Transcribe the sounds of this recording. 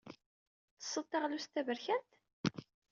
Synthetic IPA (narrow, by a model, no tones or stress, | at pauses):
θə̥sˤːət̪ˤːɑʁlust̪ævəɾçænt̪